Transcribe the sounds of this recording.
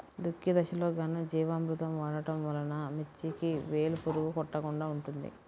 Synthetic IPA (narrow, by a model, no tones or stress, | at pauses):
d̪ukːid̪ɐʃɐloːɡɐnid͡ʒiːʋaːmɾut̪ɐmʋaːɽɐʈɐmʋɐlɐnɐmit͡ʃːikiʋeːlupuɾuʋukɔʈːɐkuɳɖaːuɳʈund̪ḭ